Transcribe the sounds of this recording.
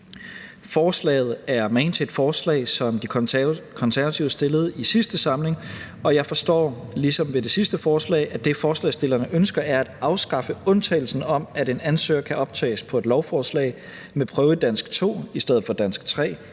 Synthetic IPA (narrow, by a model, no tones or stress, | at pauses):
fɒːslɛ̰ːɪð̩ˠæɐmeɪnt͡sʰed̥fɒːslɛ̰ɪsɒ̽md̥ikʰɒ̽nsæɐʋæt͡sʰiʊəsd̥e̝ləð̞̩ˠisisd̥əsɑ̈mle̝ŋ | ɒ̽jɑ̈ɪfɒ̽sd̥ɒ̰ːlisɒ̽mʋe̝de̝sisd̥əfɒːslɛ̰ɪʔæd̥e̝fɒːslɛ̰ɪsd̥e̝lɐnəʔønsɡ̥ɐæɐæd̥ɑ̈ʊsɡ̥ɑ̈fəɔ̽nt͡sʰɛ̰ːl̩sn̩ɒ̽mæde̝nænsø̰ːɐkʰæʔɒ̽b̥̚t͡sʰɛ̰ːspʰɒ̽e̝d̥lɒʊfɒːslɛ̰ɪ | mepʰʁœːʊəd̥æn̰sɡ̥t͡sʰo̝̰ːisd̥eð̰̩ˠfɒ̽d̥æn̰sɡ̥t͡sʰʁɛ̰ː